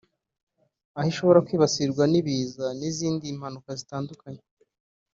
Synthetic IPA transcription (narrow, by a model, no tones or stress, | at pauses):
ahiʃo̞βo̞ɾakwiːβasiɾɡwaniβiːzaniziːndim̥hanukazitaːndukaɲe